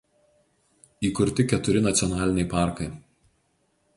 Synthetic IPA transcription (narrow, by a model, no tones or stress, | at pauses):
iːkʊɾʲt̪ʲɪkʲɛt̪ʊɾʲɪnɐt̪sʲjɔnɑːlʲɪnʲɛɪpɑˑɾkɐɪ